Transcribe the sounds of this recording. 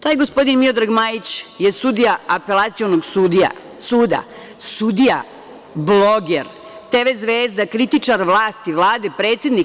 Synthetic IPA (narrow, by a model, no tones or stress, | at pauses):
t̪aːjɡospo̞d̪inmiod̪ɾaɡmaːjit͡ɕjesud̪ijaapelˠat̪sijonoɡsud̪ia̰ | suːd̪a̰ | sud̪ija̰ | bloɡeɾ | t̪eʋezʋeːzd̪akɾit̪it͡ʂaɾʋlˠaːst̪iʋlˠaːd̪epɾeːt̪sje̞d̪ni